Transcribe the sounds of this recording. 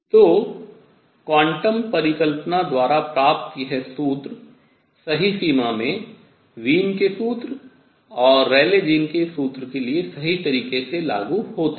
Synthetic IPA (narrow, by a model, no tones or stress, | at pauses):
t̪oː | kwãːɳʈəmpɐɾɪkəlpnad̪waːɾapɾaːpt̪iɦɛsuːt̪ɾ | sɐɦisiːmamẽ | ʋiːnkesuːt̪ɾ | ɔːɾːɛːled͡ʒiːnkesuːt̪ɾkeliesɐɦit̪ɐɾiːqkesela̰ːɡuɦoːt̪a